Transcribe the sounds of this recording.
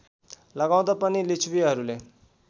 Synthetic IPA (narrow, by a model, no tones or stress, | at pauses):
lʌɡaw̃d̪apʌnilit͡sʰwiɦʌɾule